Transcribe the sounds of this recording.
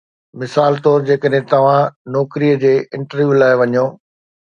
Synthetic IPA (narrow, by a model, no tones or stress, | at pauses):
mɪsaːlt̪ɔːɾd͡ʑeːkəɗɦẽt̪ɐʋ̤ãnɔːkɾijəd͡ʑeːɪ̃ɳʈəɾʋjuːlaːɪʋɐɲjoː